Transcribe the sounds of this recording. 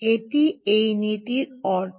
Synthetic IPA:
eʈiejnit̪iɾɔɾt̪ʰ

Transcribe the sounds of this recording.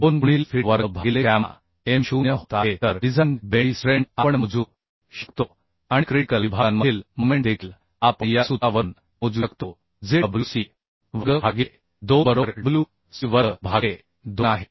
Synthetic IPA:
ponbuɳ̃iːlfiʋəɾəbʱaɡilekama̰ | emɕunjəɦot̪aɦet̪əɾɖid͡zʱanbeisɾeɳɖapəɳməd͡zu | ɕi̥kt̪o | aɽikɾiikəlibʱanməiːlmomẽɳʈd̪ekl | apəɳjasut̪aʋən | mud͡zukt̪o | d͡zeblusi | ʋəɡəbaɡe | d̪obəɾoɾblu | siʋəbʱaɡe | d̪oaɦe

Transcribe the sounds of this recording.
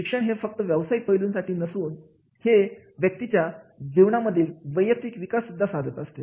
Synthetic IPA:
ikʂəɳɦefək̚t̪əʋjəʋsaiːpəjluːnsaʈʰiːnəsuːn | he | ʋjək̚t̪it͡ɕjad͡ʑiʋɳaməd̪ʱːiːlʋəjək̚t̪ʋikʋikasːud̪ʱːasad̪ʱət̪əst̪e

